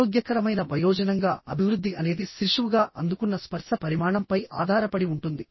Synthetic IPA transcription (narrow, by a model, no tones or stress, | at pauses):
oːɡjɐkɐɾɐmɐjnɐbɐjɔːd͡ʒɐnɐŋɡaːʔɐ̰bʱiʋɾud̪ʱːiʔɐne̞ːd̪iʃɾiʂuʋuɡaːʔɐnd̪ukunːɐspɐɾʂɐpɐɾimaːɳɐmpɐja̰ːd̪ʱaːɾɐpɐɽiuɳʈund̪i